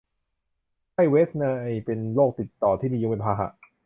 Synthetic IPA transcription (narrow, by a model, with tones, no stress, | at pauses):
kʰa˥˩jweː˦˥sna˧ʔjpe˧nloː˥˩k̚t̪i˨˩t̪ːɔː˨˩t̪ʰiː˥˩diː˧o˧pe˧npʰaː˧ɦa̰˨˧˩ʔ